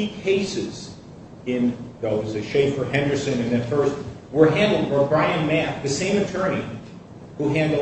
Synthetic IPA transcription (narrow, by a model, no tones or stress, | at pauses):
ikʰeɪsɪz̥ | ɪ̃nðowʌzɨʃeɪpfə˞ɛ̃ndə˞sɨ̃nɨ̃nðɨ̃nfɜ˞st̚ | wə˞ɦæ̃ndˡl̩ˠd̚baɪbɹaɪɨ̃nmæk̚ðɨsẽɪ̃mɨtʰɜ˞ni | huɦæ̃ndˡl̩ˠ